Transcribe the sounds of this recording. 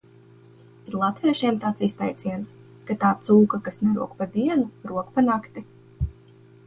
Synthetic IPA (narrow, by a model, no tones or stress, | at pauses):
iɾlˠat̪viɛʃiɛmt̪aːt̪sist̪ajt̪siɛnt̪s | kat̪aːt̪suːkakasnɛɾṵɔkpad̪iɛnuɾuɔkpanakt̪i